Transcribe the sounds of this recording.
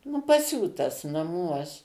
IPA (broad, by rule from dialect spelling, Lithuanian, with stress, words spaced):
nʊ pɐˈsʲuːtɐs nɐˈmuɔs